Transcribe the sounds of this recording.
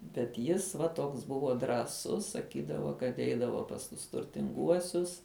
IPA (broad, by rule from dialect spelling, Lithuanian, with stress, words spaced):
bʲɛt ˈjɪs ʋɐ ˈtoːks ˈbʊʋoː drɑːˈsʊs sɐˈkʲiːdɐʋoː kɐt ˈɛɪdɐʋoː pɐs ˈtʊs tʊrʲtʲɪŋˈɡuɔsʲʊs